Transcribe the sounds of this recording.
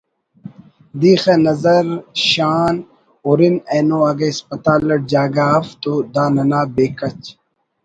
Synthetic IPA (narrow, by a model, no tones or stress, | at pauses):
d̪iːxenɐzɐɾɕaːn | uɾineːnoɐɡɐispɐt̪aːlɐʈ̚d͡ʑaːɡaːft̪od̪aːnɐnaːbeːkɐt͡ɕ